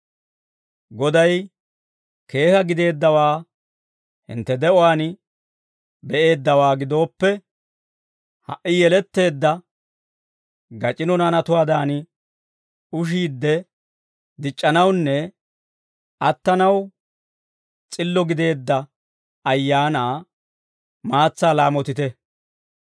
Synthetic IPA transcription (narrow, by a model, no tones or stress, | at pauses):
ɡɔd̪ɐj | ke̞ːhɐɡɪd̪e̞ːd̪ːɐwaː | hɪ̰nt̪ːɛd̪ɛʔɔwaːn | bɛʔe̞ːd̪ːɐwaːɡɪd̪o̞ːpːɛ | hɐ̰ʔːɪjɛlɛt̪ːe̞ːd̪ːɐ | ɡɐt͡ʃʼɪnɔnɐnɐt̪ʊwaːd̪aːn | ʊʃ̬iːd̪ːɛ | d̪ɪt͡ʃʼːɐnɐwnːɛ | ʔɐt̪ːɐnɐw | t͡sʼɪlːɔɡɪd̪e̞ːd̪ːɐ | ɐjːaːnaː | maːt͡sːaːlaːmɔt̪ɪt̪ɛ